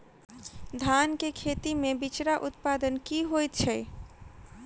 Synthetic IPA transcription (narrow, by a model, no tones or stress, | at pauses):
d̪ʱankekʰet̪imebit͡ʃɾaʔut̪̚pad̪ənkiɦojt̪t͡ʃʰəj